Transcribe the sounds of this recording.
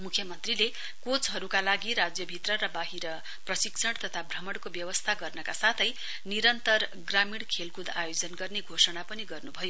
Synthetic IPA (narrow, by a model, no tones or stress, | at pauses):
mukʰjʌmʌnt̪rile | kot͡sɦʌɾukalaɡiɾad͡zjʌbʱit̪rʌɾʌbaɦiɾʌ | prʌsiksʰʌɽt̪ʌt̪ʰabʱrʌmʌɽkobjʌwʌst̪ʰaɡʌrnʌkasat̪ʰʌj | niɾʌnt̪ʌr | ɡramiɽkʰelkud̪ajod͡zʌnɡʌrneɡʱosʌɽ̃apʌniɡʌrnubʱʌjo